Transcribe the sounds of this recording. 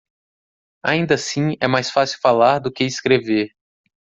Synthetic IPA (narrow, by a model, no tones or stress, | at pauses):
a̰ĩnd̪ɐsĩɛmajsfasiwfalaɾd̪ʊkeɪskɾeveɾ